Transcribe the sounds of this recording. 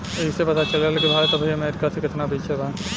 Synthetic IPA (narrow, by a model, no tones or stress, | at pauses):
eisepɐt̪at͡ʃɐlelkibʱaːjt̪ɐbʱiɐmeɾikat̪ʰikɪt̪nabiːt͡ʃʰebʱa